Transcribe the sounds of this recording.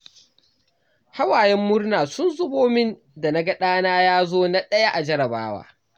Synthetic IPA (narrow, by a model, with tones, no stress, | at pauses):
ha˦waː˨jɛ˦mːʊ˦ɽnaː˨sʊ˦nzʊ˦boː˦mɪ˦n | da˨na˦ɡɐ˦ɗaː˦naː˦jaː˦zoː˦na˦ɗɐ˦ja˦ʔa˨d͡ʒɐ˦ɾɐ˨ba̰ː˦wa̰ː˦